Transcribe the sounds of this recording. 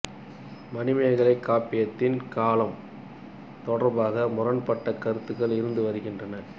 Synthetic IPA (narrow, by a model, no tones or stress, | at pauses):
mɐnɪmɐjɐɣɐɭɐɪkːaːpɪjɐt̪ːɪnkaːlɐm | t̪ɔɽɐɾbaːɣɐmʊrɐnpɐʈːɐkɐɾɯt̪ːɯɣɐɭɪɾɯnd̪ɯʋɐɾɯɣɪndrɐnɐ